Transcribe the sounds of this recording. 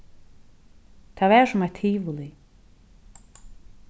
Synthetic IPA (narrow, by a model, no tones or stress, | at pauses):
t̪ʰavɛ̥ːsʊmat̪ʰiːvuli